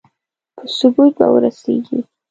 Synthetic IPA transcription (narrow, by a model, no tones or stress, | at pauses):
pʰəsʊbut̪̚ba̰wə̰ɾaseɡi